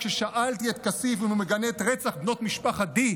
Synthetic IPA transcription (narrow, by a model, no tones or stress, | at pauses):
kʃeʃaʔalt̪iet̪kasifimmeɡaneːt̪ʁet͡saχbno̞t̪miʃpaχad̪i